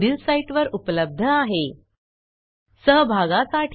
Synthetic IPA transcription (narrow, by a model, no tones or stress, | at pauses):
ɖilsaiʈʋəɾupləb̚d̪ʱəaɦe | səɦbʱaɡasaʈ